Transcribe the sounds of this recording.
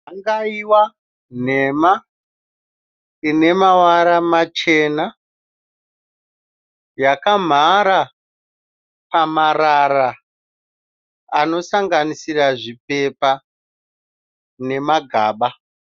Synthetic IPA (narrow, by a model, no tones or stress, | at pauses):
aŋɡaiwa | n̤e̞ma | ine̞mawaɾamat͡ʃe̞na | jakam̤aɾa | pamaɾara | no̞saŋɡanisiraʐip̚e̞pa | ne̞maɡʱaːɓa